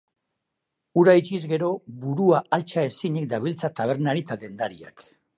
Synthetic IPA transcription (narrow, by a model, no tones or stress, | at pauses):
uɾajt͡ʃizɡe̞ɾo̞βuɾuaalt͡ʃae̞siɲek̚d̪aβ̞ilt͡sat̪aβ̞e̞ɾnaɾit̪aðe̞nd̪aɾia̰k